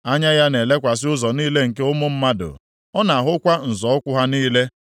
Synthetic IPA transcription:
a˦ɲa˦ja˦ne˨le˦kʷa˨s̬ɪ˦ʊ˦zɔ˨niː˦le˦ŋ̩˨ke˦ʊ˦mʊ˦m̩˦ma˦dʊ̰˨ | ɔ˦na˨a˨ɦʊ˦kʷa˦n̩˨zɔ˨ɔ˦kʷʊ˦ɦa˦niː˦le˦

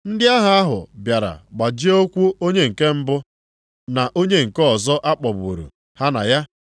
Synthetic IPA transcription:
n̩˦dɪ˦a˦ɦa˨a˦ɦʊ̰˨bja˨ɾa̰˨ɡ͡ba˨d͡ʒi˦o˦kʷu˦o˦ɲe˦ŋ̩˨ke˦m̩˦bʊ˦ | na˨ʔo˦ɲe˦ŋ̩˨kɔ˨zɔ˦ʔa˦k͡pɔ˨bṵ˨ɾṵ˨ | ha˦na̰˨ja˦

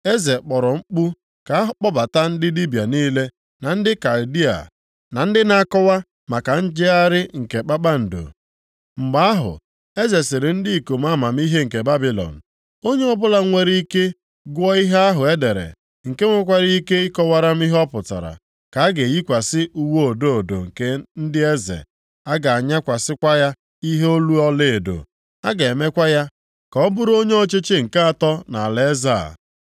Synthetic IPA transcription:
e˦ze˨k͡pɔ˨ɾɔ˨ŋ͡m̩˦k͡pu˦ | ka˨a˦ɦʊ˦k͡pɔ˦ba˨ta˦n̩˦dɪ˦li˦bja˨niː˦le˦ | na˨n̩˦dɪ˦ka˨ldi˦a̰˨ | na˨n̩˦dɪ˦na˦kɔ˦wa˦ | ma˨ka˨n̩˦d͡ʒɪ˦a˦ɾɪ˦ŋ̩˨ke˨k͡pa˦k͡pa˦n̩˨do̰˨ | ŋ͡m̩˨ɡ͡ba˨˦a˦ɦʊ̰˨ | e˦ze˨sɪ˨ɾe˨n̩˦dɪ˦i˨ko˨m˦a˦ma˨m̩˦i˦ɦe˦ŋ̩˨ke˨ba˦bi˨lɔ̰˨n̩˨ | o˦ɲe˦ɔ˦bʊ˦la˦ŋʷe˦ɾi˦i˦ke˦ | ɡʷɔ˦i˦ɦe˦a˦ɦʊ˨e˦de˨ɾḛ˨ | ŋ̩˨ke˦ŋʷe˦k̬ʷa˦ɾi˦i˦ke˦i˦kɔ˦wa˦ɾa˦m̩˦i˦ɦɔ˦pʊ˨ta̰˨ɾa̰˨ | ka˨a˦ɡe˨ji˦kʷa˨sɪ˦ʔu˦wo˦o˨do˦o˨do̰˨ŋ̩˨ke˦n̩˦dɪ˦e˦zḛ˨ | a˦ɡa˨a˨ɲa˦kʷa˨sɪ˦kʷa˦ja˦ | i˦ɦe˦o˦lu˦ɔ˦le˦˨e˨do̰˨ | a˦ɡe˨e˨me˦kʷa˦ja˦ | kɔ˨ɔ˦bʊ˦ɾo˦ɲe˦ɔ˦t͡ʃe˦t͡ʃe˦ŋ̩˨ka˦a˨tɔ˦na̰˨le˦za̰˦˨

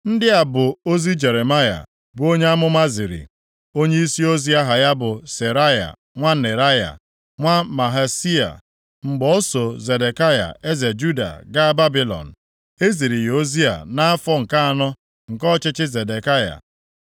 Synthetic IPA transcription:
n̩˦dɪ˦a˨bʊ˨o˦zi˦d͡ʒe˨ɾe˨ma˦ja̰˨ | bʊ˨o˦ɲe˦a˦mʊ˦ma˦zi˨ɾḭ˨ | o˦ɲe˦i˦si˦o˦zi˦a˦ɦa˨ja˦bʊ˨se˨ɾa˦ja̰˨ | ŋʷa˦ne˨ɾa˦ja̰˨ | ŋʷa˦ma˨ɦa˨si˦a̰˨ | ŋ͡m̩˨ɡ͡bɔ˨o˦so˨ze˨de˨ka˦ja̰˨e˦ze˨d͡ʒu˦da̰˨ɡa˦ba˦bi˨lɔ̰˨n̩˨ | e˦zi˨ɾi˨jo˦zi˦a̰˨na˦a˦fɔ˦ŋ̩˨ka˦a˨nɔ˦ | ŋ̩˨kɔ˦t͡ʃɪ˦t͡ʃɪ˦ze˨de˨ka˦ja̰˨

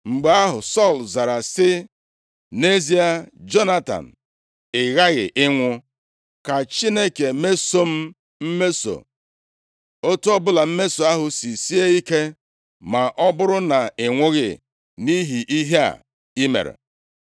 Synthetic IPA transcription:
ŋ͡m̩˨ɡ͡ba˨a˦ɦʊ˨sɔ˦˨lza˨ɾa˨sɪ˦ | ne˦zi˦a˦d͡ʒɔ˦na˦ta̰˨n̩˨ | ɪ˨ɣa˦ɣɪ̰˨ʔɪ˦ŋʷʊ˦ | ka˨t͡ʃi˦ne˦ke˨me˦so˦m̩˦ | m̩˦me˦so̰˨ | o˦tu˦ɔ˦bʊ˦la˨m̩˦me˦so˨a˦ɦʊ˨si˨si˦e˦i˦ke˦ | ma˨ʔɔ˦bʊ˦ɾʊ˦na˨ɪ˨ŋʷʊ˦ɣɪ̰˨ | ni˦ɦi˨ʔi˦ɦi˦a̰˨ | i˦mḛ˨ɾḛ˨

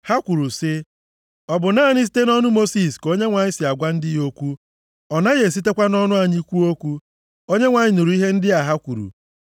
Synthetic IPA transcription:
ha˦kʷu˨ɾu˨sɪ˦ | ɔ˨bʊ˨naː˦˨ni˦z̬i̥˦te˦nɔ˦nʊ˦mo˦si˦˨sko˦ɲe˦ŋʷa˨ɲɪ˦sɪ˨a˨ɡʷa˦n̩˦dɪ˦jo˦kʷu˦ | ɔ˨na˦ɣe˨s̬i˦te˦kʷa˦nɔ˦nʊ˦a˨ɲi˦kʷu˦o˦kʷu˦ | o˦ɲe˦ŋʷa˨ɲɪ˦nu˨ɾu˨˦i˦ɦe˦n̩˦dɪ˦a˨ɦa˦kʷu˨ɾṵ˨

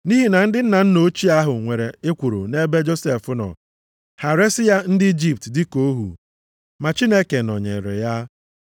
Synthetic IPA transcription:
ni˦ɦi˨na˨n̩˦dɪ˦n̩˦na˨n̩˦no˦t͡ʃi˦a˦ɦʊ˨ŋʷe˨ɾe˨ɪ˦kʷu˨ɾṵ˨ne˦be˦d͡ʒo˦se˨fʊ˦nɔ̰˨ | ha˨ɾe˦sɪ˦ja˦n̩˦dɪ˦i˦d͡ʒi˦p̚tdɪ˦ko˦ɦṵ˨ | ma˨t͡ʃi˦ne˦ke˨nɔ̰˨ɲḛ˨ɾḛ˨ja˦

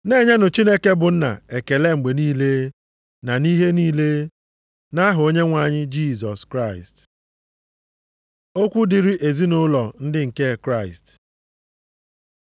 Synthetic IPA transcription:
ne˦˨ɲa˦nʊ˨t͡ʃi˦ne˦ke˦bʊ˨n̩˦na̰˨e˨ke˨le˦ŋ͡m̩˨ɡ͡be˨niː˦le˦ | na˨ni˦ɦe˦niː˦le˦ | na˦ɦʊ˨o˦ɲe˦ŋʷa˨ɲɪ˦d͡ʒi˦˨zɔ˨skɾa˦˨ɪ˨st | o˦kʷu˦di˨ɾi˦ʔe˨zi˦nʊ˦lɔ˨n̩˦dɪ˦ŋ̩˨ke˦˨kɾa˦˨ɪ̰˨st

